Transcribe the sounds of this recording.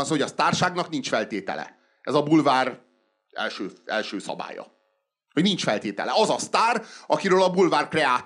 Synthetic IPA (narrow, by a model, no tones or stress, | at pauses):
ɒnsoːɦoɒst̪aːrʃaːɡnɒknint͡ʃfɛlt̪eːt̪ɛ̰lɛ̰ | ɛzɒbulvaːr | ɛ̰lʃøːɛ̰lʃøːsɒ̰ba̰ːjɒ̰ | hoɟnint͡ʃfɛlt̪eːt̪ɛ̰lɛɒzɒst̪aːrɒkiɾøːlɒbulvaːrkrɛaːt̪